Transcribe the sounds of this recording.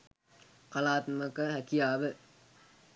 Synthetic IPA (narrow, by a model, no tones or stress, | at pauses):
kalaːt̪məkəɦækijaːʋə